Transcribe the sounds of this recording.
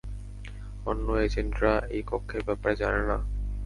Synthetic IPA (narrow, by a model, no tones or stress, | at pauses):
onːoed͡ʑendɾaejpokʰːeɾbɛpaɾed͡ʑanena̰